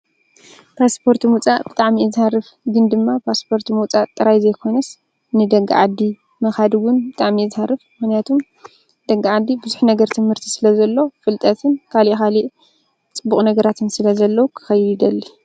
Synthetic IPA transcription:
pʰaspʰo̞ɾt̪ʰmut͡sʼaʔbɨt̪ʼaʕmiɨzharɨf | ɡɨnd̪ɨmːapʰaspʰo̞ɾt̪ʰmut͡sʼat̪ʼɨɾajzɐjkʰo̞nɐs | nɨd̪ɐɡa̰ʕad̪ːi | mɐxad̪ɨwʊnbɨt̪ʼaʕmizharɨfmɨxnijat̪ʰum | d̪̥ɐɡːaʕad̪ibɨzuħnɐɡɐɾt̪ʰɨmhɨɾt̪ʰi̥sɨlɐzɐlːo̞fɨlt̪ʼɐt̪ʰɨnkʰaliʔxaliʔ | t͡sʼɨbːuχʼnɐɡɐɾat̪ʰɨnsɨlɐzɐlːɐwukʰɨ̥xɐjd̪id̪ɐlːi

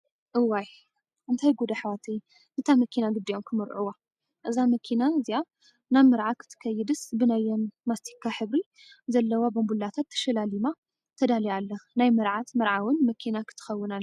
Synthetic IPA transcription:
ʔɨwaj | ʔɨnt̪ʰajɡod̪aħwat̪ʰɨj | ʔɨnt̪ʰamɐkʰinaɡɨd̪ːiʔo̞mkʰɨmɨɾʔuwa | ʔɨzamɐkʰinaɨzia | naβmɨɾʕakʰɨ̥t̪ʰɨ̥kʰɐjːɪd̪ɨsbɨnajːomːast̪ʰi̥kʰːaħɨβɾi | zɐlːɐwabɐmbulːat̪ʰat̪ʰːɐ̥ʃɐlalima | t̪ʰɐd̪alijalːɐnajmɐɾʕat̪mɐɾʕawɨnmɐkʰinakʰɨ̥t̪ʰɨ̥xɐwːɨnalː

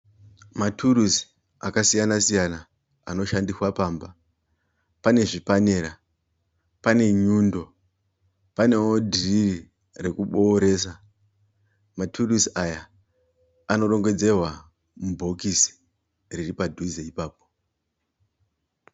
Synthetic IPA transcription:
matʰuɾusi̥ | a̰kasijanasijana | a̰no̞ʃandiswapaːmba | pane̞ʐipane̞ɾa | pane̞ɲuːndo̞ | pane̞wo̞dʱiriri | re̞kuɓo̞ːɾe̞s̬a | matʰurusiaja | ano̞ɾo̞ŋɡwe̞d͡ze̞rwa | mubʱo̞kisi̥ | riripadʱuzeipaːp̚o̞̥

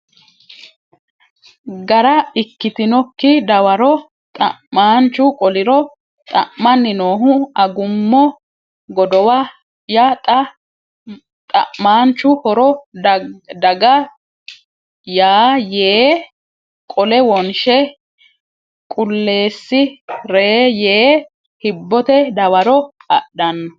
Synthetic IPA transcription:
ɡɐɾɐɪkːɪt̪ɪnɔkːɪd̪ɐwɐɾɔ | t̪ʼɐmaːnt͡ʃːʊkʼɔlɪɾɔ | t̪ʼɐ̰ʔmɐnːɪnoːɦʊɐɡʊmːɔ | ɡɔd̪ɔwɐ | jɐt̪ʼ | t̪ʼɐ̰ʔmaːnt͡ʃːʊhɔɾɔ | d̪ɐɡɐ | jaːjeː | kʼɔlɛwɔnʃɛ | kʼʊlːe̞ːsːɪɾeːjeː | hɪbːɔt̪ɛd̪ɐwɐɾɔɐ̰ɗɐnːɐ

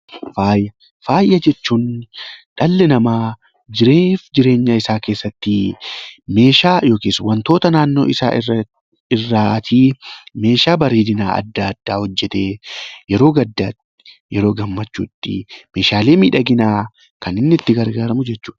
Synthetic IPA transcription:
faːjɐ | faːjʔɐd͡ʒɛt͡ʃːuːnᶑɐlːɪnɐmaː | d͡ʒɪɾeːfd͡ʒɪɾe̞ːɲːɐɪsaːke̞ːsːɐt̪ːɪ | me̞ːʃaːjo̞ːkiːswɐnt̪o̞ːt̪ɐnaːnːo̞̰ːɪsa̰ː | ɪrːaːt̪ʰiːme̞ːʃaːbɐɾiːd̪ɪna̰ːʔɐ̰d̪ːad̪ːaːhɔd͡ʒːɛt̪e̞ːjɛɾo̞ːɡɐd̪ːaːt̪ | jɛɾo̞ːɡɐmːɐt͡ʃːṵːt̪ːɪ̰me̞ːʃaːle̞ːmiːᶑɐɡɪnaː | kɐnɪnːɪt̪ːɪɡɐɾɡaːɾɐmʊd͡ʒɛt͡ʃːu̥ːᶑɐ̥

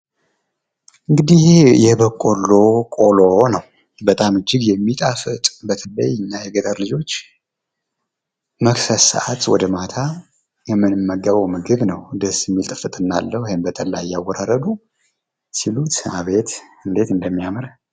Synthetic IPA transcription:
ʔɨŋɡɨd̪iejɛbəkʼolːokʼolonəw | bət̪ʼamɨd͡ʒːɪɡjɛmːit̪ʼafɨt̪ʼbət̪ʰələ̰jɨnːajɛɡət̪ʼəɾlɨd͡ʒo̞t͡ʃː | məksəsa̰ʔat̪wɔ̰d̪əmat̪ʰa | jɛmːɨnɨmːəɡːəβəwmɨɡɨβnəwd̪əsjɛmːilt̪ʼɨfɨt̪ʼɨnːa̰lːəhwihembət̪ʼəlajːawːɔɾaɾəd̪u | silut̪ɨaβe̞t̪ɨnd̪e̞t̪ɨnd̪əmːijamɾ

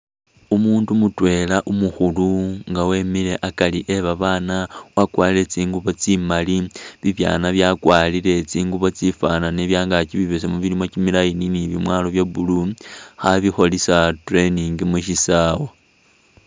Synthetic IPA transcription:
umuːndumutwe̞laʔumuxuluŋɡawe̞mile̞ʔakaliʔeβaβaːnawakwaːliɾe̞t͡siːŋɡuβo̞t͡simaliβiβja̰ːnaβjakwaːlile̞t͡siːŋɡuβo̞t͡sifananeβjaːŋɡat͡ʃiβiβesemuβilimo̞t͡ʃimilajininiβimwaːlo̞βjabuluxaβixo̞lisatre̞niŋɡimuʃisaːwo

